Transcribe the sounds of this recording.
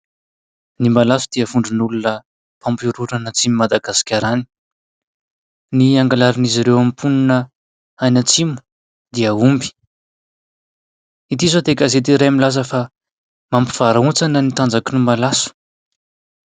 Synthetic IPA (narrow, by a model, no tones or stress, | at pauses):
nimbalasud̪̥iəvuɳɖ͡ʐunulunə | pampiɾuɾanət͡simimad̪aɡasi̥kʲaɾani̥ | niaŋɡalaɾiniziɾewamipʰununə | ajnət͡simu̥ | d̪iəumbi̥ | it̪̬izod̪ekazet̪iɾajamilazəfa | mampi̥v̥aɾaunt͡sanənit̪and͡zakinumalasu̥